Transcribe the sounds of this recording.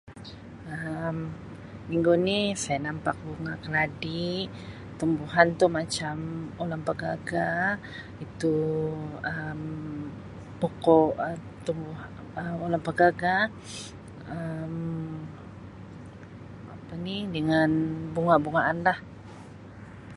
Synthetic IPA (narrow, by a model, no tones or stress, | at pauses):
əm | miŋɡunihsajanampak̚buŋakəladi | t̪umbuɦant̪umat͡ʃamolaŋpəɡaɡa | it̪u | əm | pokɔə | t̪umbuɦ | əmolaŋpəɡaɡa | əm | a̰pənidəŋanbuŋabuŋaʔːnlah